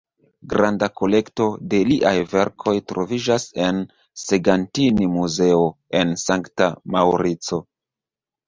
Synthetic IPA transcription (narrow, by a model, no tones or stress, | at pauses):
ɡɾandako̞le̞kto̞de̞liʔajve̞ɾkʰo̞jtɾo̞vid͡ʒase̞n | seɡantinimuze̞o̞ | e̞nsaŋktamawɾit͡so̞